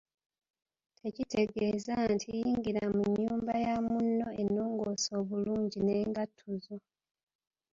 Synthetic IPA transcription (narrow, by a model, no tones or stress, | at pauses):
tʰe̞cite̞ɡe̞ːzantʰijiːŋɡiɾamuɲɲːuːmbajamunːo̞e̞nːoːŋɡo̞so̞ːβuluːɲɟine̞ːŋɡatʰːuzo